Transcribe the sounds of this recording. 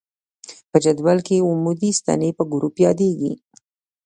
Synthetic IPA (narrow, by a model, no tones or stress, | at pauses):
pəd͡ʒad̪walkeumud̪ist̪a̰nepəɡʊɾupjɑd̪eɡḭ